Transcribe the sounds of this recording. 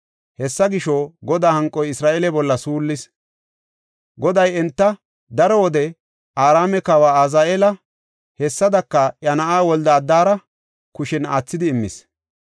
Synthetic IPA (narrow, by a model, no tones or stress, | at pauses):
hɛsːɐɡɪʃoɡɔd̪aːhɐŋkʼːɔjɪsɾaːʔelɛbɔlːɐsuːlːɪs | ɡɔd̪ɐjɛnt̪ːɐ | d̪ɐɾɔwɔd̪ɛ | ʔaːɾaːmɛkaːwaːazaːʔeːlɐ | hɛsːɐd̪ɐkːɐʔjɐnɐʔaːwɔld̪ɐːd̪ːaːɾɐ | kʊʃɛnaːt͡sːɪd̪ɪːmːɪ̰s